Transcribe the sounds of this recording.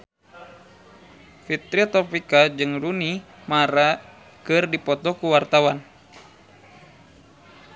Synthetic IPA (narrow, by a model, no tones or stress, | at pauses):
fit̪ɾiat̪ɔpikad͡ʒɨŋlunimaɾa | kɨrdipɔt̪ɔkuwart̪awan